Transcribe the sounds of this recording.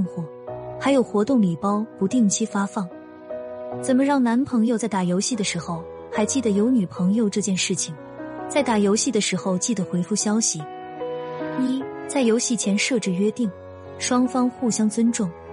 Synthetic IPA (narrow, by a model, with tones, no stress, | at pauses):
ŋxwɔ˨˥˩ | xa˧˥ɪjo˨˩ʊxwɔ˧˥t̪ʊ˥˩ŋli˨˩pɑ˥ʊpu˧˥t̪i˥˩ŋt͡ɕʰi˥fa˥fɑ˥˩ŋ | t͡sə˨˩nmə˧˦ɻɑ˥˩ŋna˧˥npʰɤ˧˥ŋjo˧t͡sa˥˩ɪt̪a˨˩jo˧˥ʊɕi˥˩d̪ə˩ʂɻ̩˧˥xo˥˧ʊ | xa˧˥ɪt͡ɕi˥˩d̪ə˩jo˧˥ʊny˨˩pʰɤ˧˥ŋjo˧ʊʈ͡ʂɤ˥˧t͡ɕjɛ˥˧nʂɻ̩˥˩t͡ɕʰi˨˩ŋ | t͡sa˥˩ɪt̪a˨˥˩jo˧˥ʊɕi˥˩d̪ə˩ʂɻ̩˧˥xo˥˧ʊt͡ɕi˥˩d̪ə˩xwe˧˥ɪfu˥˩ɕjɑ˥ʊɕi˨˩˦ | i˥t͡sa˥˩ɪjo˧˥ʊɕi˥˩t͡ɕʰjɛ˧˥nʂɤ˥˧ʈ͡ʂɻ̩˥˩ɥɛ˥t̪i˥˩ŋ | ʂwɑ˥ŋfɑ˥ŋxu˥˩ɕjɑ˥ŋt͡swə˥nʈ͡ʂʊ˥˩ŋ